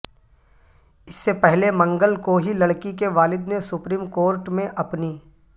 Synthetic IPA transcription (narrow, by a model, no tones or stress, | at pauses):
ɪsːepɛɦlemɐ̃ŋɡəlkoɦilɐɽkikeʋaːlɪd̪nesʊpɾiːmkoːɾʈmẽʔɐpniː